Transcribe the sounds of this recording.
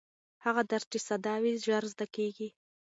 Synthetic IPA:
haɣad̪aɾtisad̪ɑwiʒaɾzd̪akeɡi

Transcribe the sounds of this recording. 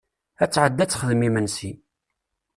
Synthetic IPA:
æt͡sːʕəd̪ːæt͡sːχəðmimənsi

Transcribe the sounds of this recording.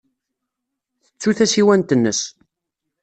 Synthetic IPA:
θət͡sːuθæsiwænt̪ənːə̰s

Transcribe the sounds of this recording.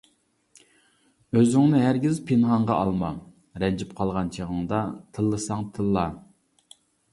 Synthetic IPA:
øzyŋnɪɦæɾɡʲizpʰɪnɦɑɴʁɑʔɑlˠmɑ | ɾɛnd͡ʒipqʰɑlˠʁɑnt͡ʃʰeʁəŋd̪ɑt̪ʰɨlˠːɨsɑŋt̪ʰɨlˠːɑ

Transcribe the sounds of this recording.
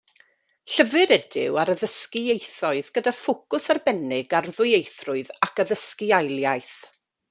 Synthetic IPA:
ɬəvɨɾɛdɪ̰waɾəðəskɪejθɔɨðɡədafʊkʊsarbɛnɪɡarðʊɨejθrʊɨðakəðəskɪajlˠjajθ

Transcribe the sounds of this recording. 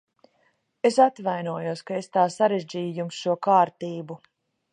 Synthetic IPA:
esat̪vajnuɔjuɔskaest̪aːsaɾeʒd͡ʑiːjujumsʃuɔkaːɾt̪iːbu

